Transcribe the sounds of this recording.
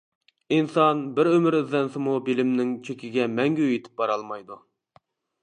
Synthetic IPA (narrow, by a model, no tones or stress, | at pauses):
insɑnbɪɾømɪɾɪzːɛnsɪmubilɪmnɪŋt͡ʃʰøkʲiɡʲɛmɛŋɡʲyøjit̪ʰɪ̥p̚bɑɾɑlˠmɑjd̪u